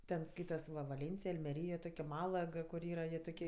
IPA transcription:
ˈtʲɛn ˈskɐɪtɐs ʋɐ ʋɐˈlʲeːnʲt͡sʲɪj ɐlʲmʲɛˈrʲiːj joː ˈtoːkʲ ɪ ˈmɑːlˠɐk kʊr ˈiːrɐ jiɛ toːˈkʲiɛ

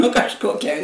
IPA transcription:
nʊ kɐʃˈkoːkʲɛ

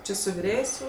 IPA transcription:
ˈt͡ʃʲɪ sʊ ʋʲɪˈrʲeːjeːsʲ jɛʊ

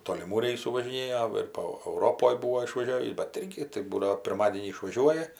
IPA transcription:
toːlʲɪˈmuː ˈrʲɛɪsuː ʋɐʒʲɪˈnʲeːjoː ɪr poː ɐʊˈroːpoːj ˈbuːʋoː ɪʃʋɐˈʒʲæːʋʲiːs bʲɛt ˈɪrʲɡʲɪ tɐɪ ˈbuːdɐʋoː pʲɪrˈmɑːdʲiɛnʲiː ɪʃʋɐˈʒʲuɔjɛ

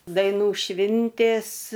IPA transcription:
dɐɪˈnuː ˈʃʲʋʲɪnʲtʲeːs

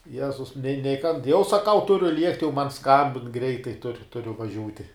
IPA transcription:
ˈjæːzʊs nʲɛɪ nʲɛɪ kɐn jɛʊ sɐˈkɐʊ ˈtʊrʲʊ ˈlʲiɛktʲɪ jɛʊ mɐn ˈskɐmʲbʲɪn ˈɡrʲɛɪtɐɪ tʊr ˈtʊrʲʊ ʋɐˈʒʲuːtʲɪ

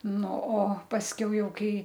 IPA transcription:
ˈnʊ oː pɐsʲˈkʲɛʊ ˈjɛʊ ˈkɐɪ

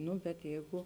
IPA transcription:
ˈnʊ bʲɛt ˈjɛɪɡʊ

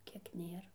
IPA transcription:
ˈkʲiɛk ˈnʲeːr

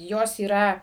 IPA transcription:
ˈjoːs iːˈrɐ

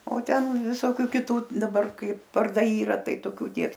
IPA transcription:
oː ˈtʲɛn ʋʲɪˈsoːkʲʊ kʲɪˈtuː dɐˈbɐr ˈkɐɪp ʋɐrˈdɐɪ ˈiːrɐ ˈtɐɪ toːˈkʲuː ˈnʲiɛks

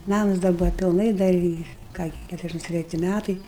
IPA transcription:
ˈnɑːmʊs dɐr ˈbʊʋɐ pʲɪlˠˈnɐɪ ˈdɐr ɪ ˈkɑː ɡʲɪ ˈkʲætʊrʲɛzʲˌdʲæʃʲɪms tʲrʲɛˈtʲɪ ˈmʲætɐɪ

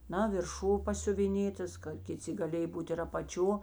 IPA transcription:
ˈnɐ ʋʲɪrˈʃuː pɐsʲʊʋʲɪˈnʲeːtɐs kɐ kʲɪˈt͡sʲɪ ɡɐˈlʲeːj ˈbuːt ɪr ɐpɐˈt͡ʃʲoː

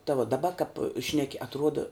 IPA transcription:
tɐ ʋuɔ dɐˈbɐ kɐp ˈʃʲnʲæːkʲɪ ɐtˈruɔdɐ

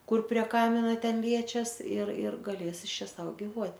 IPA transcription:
ˈkʊr pʲrʲiɛ ˈkɑːmʲɪnɐ ˈtʲɛn ˈlʲiɛt͡ʃʲɛs ɪr ɪr ɡɐˈlʲeːs ˈɪs ˈt͡ʃʲɛ ˈsɐʊ ɡʲɪˈʋuɔtʲ

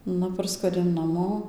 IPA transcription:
ˈnʊ ˈpɐrskuɔdʲɛʊ nɐˈmoː

